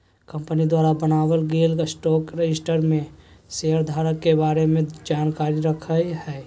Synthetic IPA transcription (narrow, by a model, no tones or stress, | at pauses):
kəmpənid̪waːɾabənaːbəlɡeːlkasʈɔːkɾed͡ʒɪsʈəɾmẽseəɾd̪ʱaːɾəkːebaːɾemẽd͡ʒaːnkaːɾiɾəkʰəjɦɛː